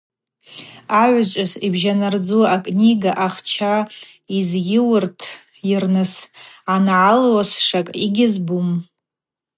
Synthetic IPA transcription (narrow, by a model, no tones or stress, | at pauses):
aʕʷt͡ʃʷʼɪzibʒanard͡zuakʼnʲiɡaʔaχt͡ʃʰa | izɡʲɪwɨrtʰ | jɪrnɨsanʕalwasʂakʼiɡʲɪzbum